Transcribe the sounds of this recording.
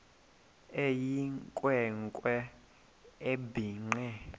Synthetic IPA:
ejiŋkʼwɛŋkʼwɛ | ebiːŋ͡ǀɛ

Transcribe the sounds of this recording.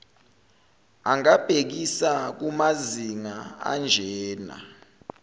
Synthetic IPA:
aŋab̥ʱek̬isak̬umaziŋaa̰nd͡ʒʱɛɛːna̰

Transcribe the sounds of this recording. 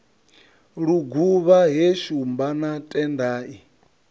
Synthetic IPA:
ɺuɡuβaɦɛʃumbanatʼɛndaːʔi

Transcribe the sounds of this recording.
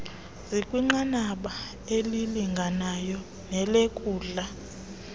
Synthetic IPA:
zikʼwiŋ͡ǃanaɓa | eliliŋɡʱanajɔ | nɛlekʼuːɮa

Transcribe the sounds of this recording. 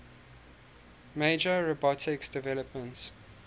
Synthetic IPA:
meɪd͡ʒəɹobɔtʰɪksd̥ɪvɛləpmə̃nt

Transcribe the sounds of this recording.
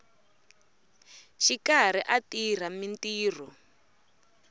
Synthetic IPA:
ʃikar̤iʔatir̤amintiːr̤ɔ

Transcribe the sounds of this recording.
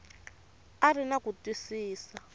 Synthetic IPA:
arinakutwisiːsa

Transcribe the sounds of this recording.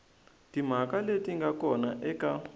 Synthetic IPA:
tim̤akaletʼiŋɡakɔnaʔɛka

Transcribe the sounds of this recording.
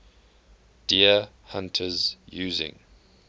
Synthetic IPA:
d̥iə | hãntʰəzjʉːzɪ̰̃ŋ

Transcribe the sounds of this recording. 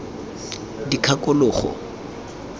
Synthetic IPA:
dikʰakʼʊlʊːχɔ̰

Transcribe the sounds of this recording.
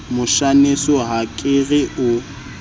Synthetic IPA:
mʊʃanesɔɦakʼɪɣɪʊ

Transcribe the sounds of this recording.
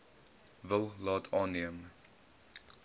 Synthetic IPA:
vəlˠlɑːtʰɑːnːiəm

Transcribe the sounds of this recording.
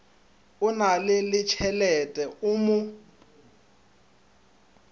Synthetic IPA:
ʊnalɪlɪt͡ʃʰɛlɛtʼɛʔʊmʊ

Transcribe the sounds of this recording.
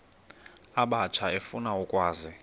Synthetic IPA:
aɓat͡ʃʰaefunaukʼwaːzi

